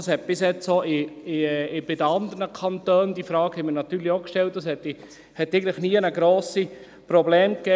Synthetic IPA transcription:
ɑshɛt̪̚b̥ɪsjɛt͡soʔɪ | b̥ɪdəɑnd̪əɾnəkʰɑnt̪øːnd̪ifɾɑːkhɛməɾnɑt̪yːɾliokʃtɛlt̚d̥ɑshɛtːi | hɛt̪ːɛɪɡətləχniənəɡɾoːsi | pɾoblɛːmkɛː

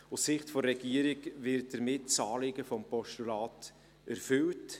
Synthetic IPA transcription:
ʊssɪχtfɔɾːɛɡ̥iəɾɪɡvɪɾt̚d̥əɾmɪtt͡sɑːlɪɡəfɔmpɔʃtulɑːt | ʔæɾfʏlt

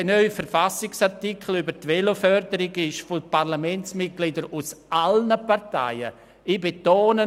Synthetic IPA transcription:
nœʏfəɾfasɪksaʁtɪkʰl̩ybəɾtʋelofœɾdəɾɪɡɪʃfopaʁlamɛnt͡smɪt̚ɡ̥lɪdəɾusʔalnəpaʁta̰ɪə̰ | ɪbetoːnə

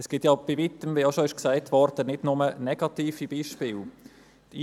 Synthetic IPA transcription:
ɛsɡ̥ɪtjɑb̥ivitəmʋiɑʃoɪʃksæɪtʋɔɾdənɪdnʊmənɛɡ̥ɑtiːfib̥iːʃpɪːl | ti

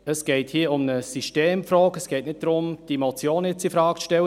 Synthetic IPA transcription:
əsɡ̥eɪthiːəʊmnəsyʃteːmfrɔːkəsɡ̥ɛɪtnɪt̚d̥ɾʊmd̥iemot͡sjoːnjɛt͡sifɾɑːkʃtɛlə

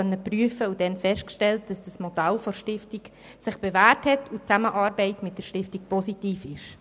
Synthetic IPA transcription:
œnːəpryəfəudɛnfɛʃt̚kʃtɛlt̚d̥ɑsd̥ɑsmodalfoɾʃtɪftik | sɪχb̥evæːɾthɛtʰut͡saməʔɑːɾbɛɪtmɪt̚d̥əʃtɪftik̚pʰɔsitiːfɪʃ

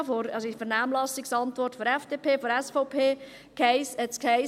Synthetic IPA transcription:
fɔɾɑsoifɛɾnaːmlɑsɪksɑntʋɔrtfɔɾɛfd̥eːpʰeːfɔɾɛsfɔʊpʰeː | kʰɛɪsɛt͡skʰɛɪ

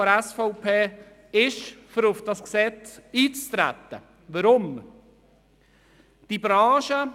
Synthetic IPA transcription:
ɔɾɛsfɔʊpʰeː | ɪʃfəɾʊfd̥ɑsksɛt͡siːt͡st̪ɾæ̰t̪ə | ʋəɾʊm | d̥ibɾaːʃə

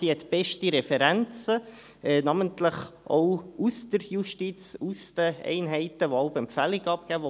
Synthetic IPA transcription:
iɛtb̥ɛʃtiɾɛfɛɾænt͡sə | ɛnɑməntləχʔɔwusd̥̪əɾjuʃtit͡susd̪əɛ̰ɪnɦɛɪt̪əʋoaʊpɛmfæliɡɑp̚ɡ̥æːʋo

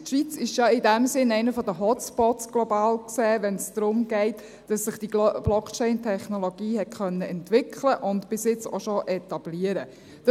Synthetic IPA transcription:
tʃʋit͡sɪʃjɑɪdɛmsɪnɛɪnəfɔdəɦɔtspɔtsɡ̥lobɑːlkseːʋɛnsd̥ɾʊmɡɛɪt | d̥ɑsːɪχd̥ib̥lɔkt͡ʃɛɪntʰɛχnoloɡ̥iːhɛt̚kœnːəɛntʋɪkʰləʔʊntb̥ɪsjɪt͡soʃoʔɛt̪ɑb̥liəɾə | d̥

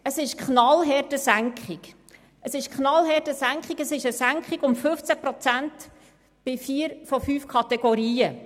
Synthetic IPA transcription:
əsɪʃkχnɑlɦɛtəsæŋkχik | əsɪʃkχnɑlɦɛtəsæŋkχiɡəsɪʃəsæŋkχiɡʊmfɵft͡sæpɾɔt͡sænt̪ | b̥ɪfiːɾfɔfyːfkʰɑt̪ɛɡɔɾiːə

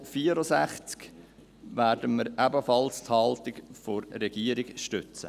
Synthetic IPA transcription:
fiəɾɔsæχt͡sk | ʋæːɾdəməɾæbəfɑlst̪hɑlt̪ɪkfɔrːɛɡ̥iəɾiɡʃtʏt͡sə̰

